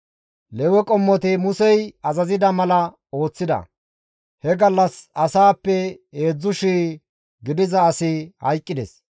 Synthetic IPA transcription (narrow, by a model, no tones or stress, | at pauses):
lɛwɛkʼɔmːɔt̪ɪmʊsɛjɐzɐzɪd̪ɐmɐlɐ | o̞ːt͡sːɪd̪ɐ̰ | hɛɡɐlːɐsɐsaːpːɛeːd͡zːʊʃiː | ɡɪd̪ɪzɐːsɪhɐ̰jkʼːɪd̪ɛ̰s